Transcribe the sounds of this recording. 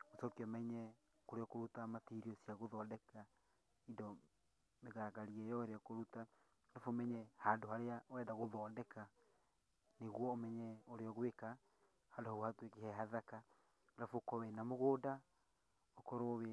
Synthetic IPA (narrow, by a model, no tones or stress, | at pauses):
osɔkeɔmɛɲɛ | koɾeɔkoɾutamatiɾiosiaɣoðɔːdɛka | idɔ | meɣaɾaɣaɾiɛjɔheɾeɔkoɾuta | ɾafomɛɲɛhandoɦaɾeawɛdaɣoðɔːdɛka | neɣwɔːmɛɲɛoɾeɔɣweka | handohaohatwekehɛɦaðaka | ɾafokɔwɛnamoɣoːda | okɔɾowe